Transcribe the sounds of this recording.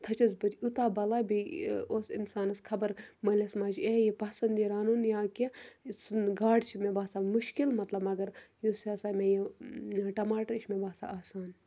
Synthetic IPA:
t̪ʰɐt͡ʃɐzbɐt̪ʲut̪aːbɐlaːbioːsinsaːnɐskʰɐbɐɾmɐlʲɐsmaːd͡ʒejipɐsɐnd̪iɾaːnunjãːkisɡaːɖt͡ʃʰimẽbaːsaːmuʃkilmɐt̪lɐbmɐɡɐɾjusaːsaːmẽji | ʈɐmaːʈɐɾt͡ʃʰmẽbaːsa̰aːsaːn

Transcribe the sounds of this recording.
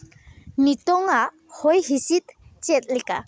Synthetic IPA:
nitɔŋa | hojhisit̪t͡ʃɛt̪̚lika̰

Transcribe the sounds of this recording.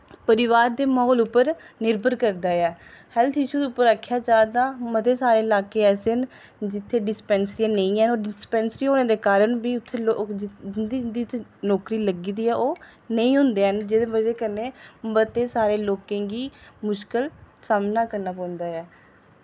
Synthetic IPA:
pəɾɪʋaːɾd̪eːmɔːlʊpːəɾnɪɾbʱəɾkəɾd̪aːɛːhɛlt̪ʰɪʃuːd̪eʊpːəɾəkʰːjaːd͡ʒaːd̪aːmət̪eːsaːɾeːɪlaːkeːɛːsɪn | d͡ʒɪt̪ʰːeːɖɪspɛːnsɾijãːnəĩːɛːnoːɖɪspɛːnsɾiːɦoːnẽːd̪eːkaːɾənbiːʊt̪ʰːeːo | d̪id̪iːt̪ʰːenɔːkɾiːləɡiːd̪iːɛːʔoːnəĩːɦʊ̃nd̪eːɛnd͡ʒed̪eːbəd͡ʒeːkənːeːbət̪eːsaːɾeːloːkẽːɡiːmʊʃkəlsaːmnaːkəɾnaːpãːnd̪aːɛː

